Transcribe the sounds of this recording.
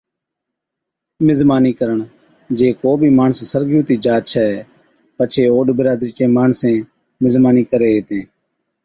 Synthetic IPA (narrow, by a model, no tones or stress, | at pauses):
mɪzmaːniːkəɾəɳ | d͡ʒeːkoːbʱiːmaːɳəssəɾɡjũːt̪iːd͡ʒaːt͡ʃʰaːɦɛː | pət͡ʃʰeːoːɖbəɾaːd̪ɾiːt͡ʃẽːmaːɳsẽː | mɪzmaːniːkəɾeːeːt̪ẽː